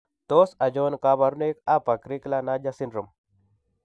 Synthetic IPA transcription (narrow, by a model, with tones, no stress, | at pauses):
t̪o˦sa˨d͡ʒo˦nka˦ba˨ɾu˦ne˦ka˦pa˨kɾi˦kla˦na˦d͡ʒa˦si˦nɾu˨m